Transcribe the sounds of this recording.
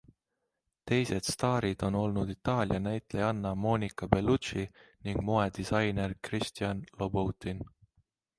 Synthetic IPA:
t̪e̞jse̞d̪̥st̪ɑːɾid̪̥o̞no̞lnud̪̥it̪ɑːlʲjɑnæjt̪ˑlejɑnːɑmo̞ːnikˑɑbe̞lut̪t͡ʃiniŋɡ̥mo̞e̞d̪̥isɑjne̞rkrist̪iɑnlobowt̪ːin

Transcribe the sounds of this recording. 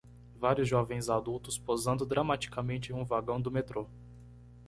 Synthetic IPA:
vaɾjʊzʒɔvẽj̃zad̪uwt̪ʊspozɐ̃nd̪ʊd̪ɾɐmat͡ʃi̥kamẽnt͡ʃɪɪ̃ũvaɡɐ̃w̃d̪ʊmet̪ɾo

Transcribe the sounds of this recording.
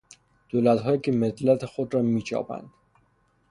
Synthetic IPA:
d̪̥oːlæt̪ɦɒːjikʰʲemet̪læt̪ʰexod̪ɾɒːmiːt͡ʃʰɒ̰ːpæ̰nd̪̥

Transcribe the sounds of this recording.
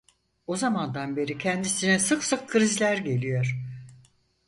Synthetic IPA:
o̞zamand̪anbe̞ɾicʰɛnd̪isinɛsɯksɯkʰːɯɾizlʲæɾɟe̞lʲijoɾ̥

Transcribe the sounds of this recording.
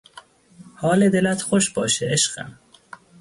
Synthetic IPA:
hɒːled̪elæt̪xoʃbɒːʃeeʃɢæ̰m

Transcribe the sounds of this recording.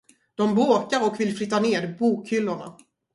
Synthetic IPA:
d̪̥ɔmboːkaɾɔkvɪlflʏt̪ːaneːd̪buːkʰhʏlːʊɳa̰

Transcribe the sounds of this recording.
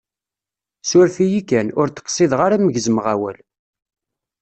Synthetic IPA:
sʊɾfijikːænʊɾt̪ə̥qsˤiðʁaɾæməʝəzmʁawæ̰l

